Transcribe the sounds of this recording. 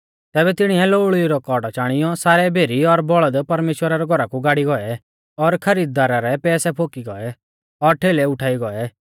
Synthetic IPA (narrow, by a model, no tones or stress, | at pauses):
t̪ɛːbɛt̪ɪɽ̃iɛloːɭiɾɔkɔɖt͡ʃaːɽ̃ɪjɔsaːɾɛbʱeːɾiɔɾbɔɭəd̪pɐɾmeːʃwəɾaɾɛɡʱɔɾakuɡaːɽiɡɔɛ | ɔɾkʰɐɾiːd̪̚ːaːɾaɾɛpɛːsɛpʰoːkiɡɔɛ | ɔɾʈʰeːlɛʊʈʰaːiɡɔɛ